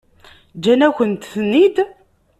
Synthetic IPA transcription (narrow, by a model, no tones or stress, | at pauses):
d͡ʒːænæçənt̪θənːid̪